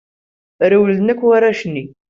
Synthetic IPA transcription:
ɾəwlnəkʷːwaɾaʃnːi

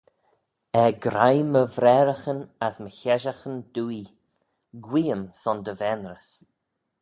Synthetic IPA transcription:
ɛɡɾajməvɾɛɾəxənasməçɛʒaxənd̪̥uːi | ɡwiːəmsɔnd̪əvɛnɾəs

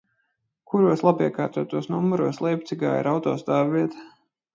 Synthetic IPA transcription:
kuɾuɔslˠabiɛkaːɾt̪uɔt̪uɔsnumːuɾuɔslˠɛjp̚t̪siɡa̰ːḭɾawt̪ɔːsd̪aːviɛt̪ḁ

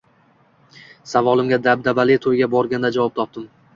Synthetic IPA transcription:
savɒlˠɪmɡʲad̪ab̚d̪abalɪt̪ʰojɡʲabɒɾɡʲand̪ad͡ʒavɒp̚t̪ʰɒp̚d̪ɪm

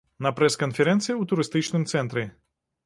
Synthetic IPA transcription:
nɐpɾɛskɔnfʲɛɾɛnt̪sɨjɐut̪ʊɾɪst̪ɪt͡ʃnɪmt̪sɛnt̪ɾʲɪ

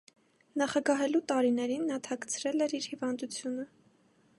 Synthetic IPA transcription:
nɑχɑɡɑɦɛlut̪ɑɾinɛɾinːɑt̪ʰɑkt͡sʰɾɛlɛɾiɾhivɑnd̪ut͡sʰjunə

